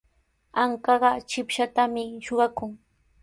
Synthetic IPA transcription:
aŋkɑɢɑt͡ʃɪpʃat̪amɪʃoɢɑkʊŋ

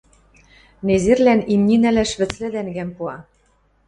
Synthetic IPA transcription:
nezerlænimnʲinælæʃβɘ̆t͡slɘ̆d̪æŋɡæmpuɑ

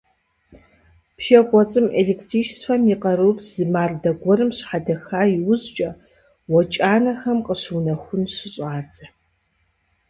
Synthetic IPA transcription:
pʃɐqʷʼɔt͡sʼɨmʔeleːktʰriːʃsfɐmiqɐɾupʰz̥ɨmaːrdɐɡʷɔɾɨmɕħadɐxaːjiwʊzt͡ʃʼɐ | wɔt͡ʃʼaːnɐxɐmqəɕɨwnɐxʷʊnɕɪɕʼaːt͡sʼɐ

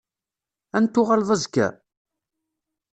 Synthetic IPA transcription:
ænt̪ːʊʁalðˤɑzkːæ̰

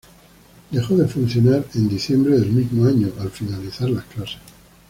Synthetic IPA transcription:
d̪e̞xoðe̞funθjo̞naɾe̞nd̪iθjẽ̞mbɾeðe̞lmizmoaɲoʔalfinaliθaɾlasklase̥s

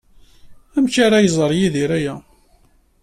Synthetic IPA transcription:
æmçaɾajəzˤəɾˤjiðiɾæjæ

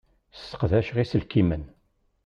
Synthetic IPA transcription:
sə̥qðæʃʁisəlkimən

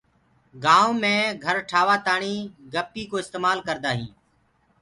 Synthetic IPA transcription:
ɡaːõːmẽːɡʱəɾʈʰaːʋaːt̪aːɳiːɡəpiːkoːɪst̪eːmaːlkəɾd̪aːɦḭ̃ː

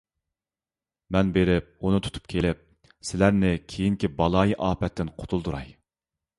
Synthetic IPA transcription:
mɛnbeɾɪp̚unut̪ʰu̥t̪ʰu̥p̚kʲʰelɪp̚ | sɪlæɾnɪkʲʰejiŋkʲibɑlˠɑːjiʔɑːpɛt̪ʰːɪnqʰo̥t̪ʰulˠd̪uɾɑ̰j

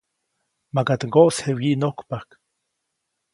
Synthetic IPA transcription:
makat̪ŋɡoʔshewjiʔnokpak

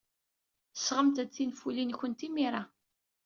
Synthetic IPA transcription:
θəsʁəmt̪æt͡sːinfulinçənt̪imiɾˤa

